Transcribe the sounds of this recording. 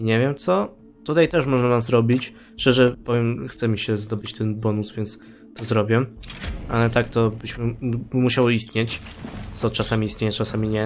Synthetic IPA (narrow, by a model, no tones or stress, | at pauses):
ɲɛvʲjɛmt̪sɔ | t̪ut̪ajt̪ɛʂmɔʐnavamzɾɔbʲit͡ɕ | ʂt͡ʂɛʐɛpɔvʲjɛmxt̪sɛmʲiɕɛzd̪ɔbɘt͡ɕt̪ɛnbɔnusvʲjɛnt̪s | t̪ɔzɾɔbʲjɛʔa̰lɛt̪akt̪ɔbɘɕmɘmuɕawɔist̪ɲet͡ɕt̪sɔt͡ʂasamʲiist̪ɲejɛt͡ʂasamʲiɲɛ